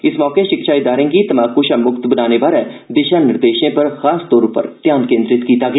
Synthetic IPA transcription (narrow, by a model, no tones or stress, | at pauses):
ɪsmɔːkeːʃɪkʃaːiːd̪aːɾẽːɡiːt̪əmaːkuʃãːmʊkt̪bənaːneːbaːɾɛːd̪ɪʃãːnɪɾd̪eːʃẽːpəɾxaːst̪oːɾʊpə̰ɾt̪jaːnkẽːnd̪ɾɪt̪kiːt̪aːɡː